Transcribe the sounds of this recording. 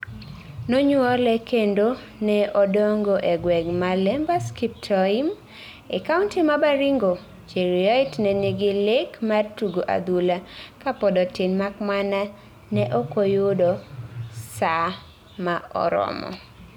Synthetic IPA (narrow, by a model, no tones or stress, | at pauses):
noɲwɔlɛkendo | nɛɔdoŋɡoʔeɡwɛɡmalɛmbaskip̚tʰɔim | ɛkaʊntimabaɾiŋɡo | t͡ʃeɾiaɪtnɛneɡɪlekmartuɡoʔa̰d̪ulakapɔdɔtinmakmana | nɛʔokojʊdo | sa | maɔ̰ɾɔ̰mɔ̰